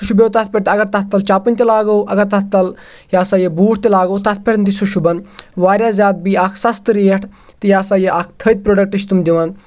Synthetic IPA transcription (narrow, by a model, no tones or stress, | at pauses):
uʃubeːt̪ɐt̪̚pʲeʈ̚t̪ɐɡɐɾt̪ɐt̪̚t̪ːɐlt͡ʃaːpɨnʲt̪elaːɡoːʔɐɡɐɾt̪ɐt̪t̪ɐl | jaːsaːjebuːʈʰt̪elaːɡoːt̪ɐt̪̚ʰpʲeʈnd̪isuʃubɐnʋaːɾjaːzʲaːd̪̚biaːkʰsɐst̪ɨɾiːɐʈʰ | t̪ɨjaːsaːjeʔaːkʰt̪ʰət̪̚pɾoːɖɐk̚ʈiʃt̪umd̪iʋan